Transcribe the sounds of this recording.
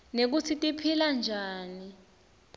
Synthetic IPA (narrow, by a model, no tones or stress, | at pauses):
nek̬ut͡sʰitʼipʰiland͡ʒʱaːni